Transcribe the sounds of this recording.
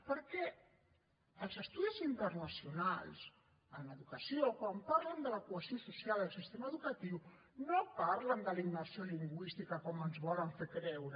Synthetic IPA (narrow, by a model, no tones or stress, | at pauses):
pəɾkɛ | əlˠzəst̪uðizint̪əɾnasjuna̰ls | ənləðukasiokwampaɾlənd̪əlakuəzjosusjaləlˠsist̪emaːðukat̪iw | nopaɾlənd̪əlinːoβasjoliŋɡwist̪ikakɔmənzβɔləɱfekɾɛwɾə